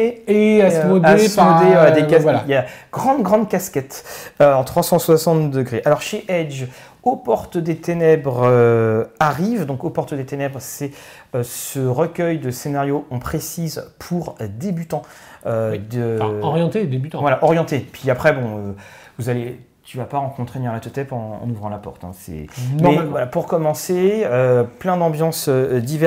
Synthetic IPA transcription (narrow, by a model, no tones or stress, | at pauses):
eeamodaesod̪ed̪ekazajaɡ̥ʁɑ̃d̪ɡʁɑ̃d̪kʲaskʲɛt̪øɑ̃t̪χwasɑ̃swasɑ̃t̪d̪əɡʁeʔalɔʁʃeʔɛd͡ʒ | opɔʁt̪əd̪et̪enɛbʁøaʁivd̪ɔ̃kopɔʁt̪əd̪et̪enɛbʁsɛ | øsəʁəkʲœjd̪əsenaʁjoɔ̃pχesizpʰuʁd̪ebyt̪ɑ̃ød̪əɔʁjɑ̃t̪ed̪ebyt̪vwalaʔɔʁjɑ̃t̪epɥiapχɛbɔ̃ø | vuzale | t̪yvapaʁɑ̃kɔ̃t̪χenɛʁlat̪ət̪ɛpɑ̃ɑ̰̃nuvʁɑ̃lapɔ̰ʁt̪ɛ̰̃sɛ̰nmɛvwalapuʁkɔmɑ̃seøplɛ̃d̪ɑ̃bjɑ̃sød̪ivɛ